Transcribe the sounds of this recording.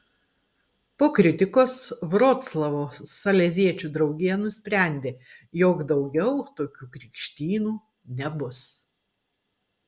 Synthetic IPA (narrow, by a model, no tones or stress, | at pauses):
poːkɾʲɪt̪ʲɪkoːsʋɾoːt̪slˠɐʋoːsɐlʲɛzʲiɛt͡ʃʲuːd̪ɾɒʊɡʲiɛnʊsʲpʲɾʲæˑnʲd̪ʲeːjoːkd̪ɒʊɡʲɛʊt̪oːkʲuːkɾʲɪkʃʲt̪ʲiːnuː | nʲɛbʊs